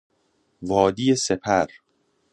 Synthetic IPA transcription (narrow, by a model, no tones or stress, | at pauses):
vɒːd̪iːjesepʰæɾ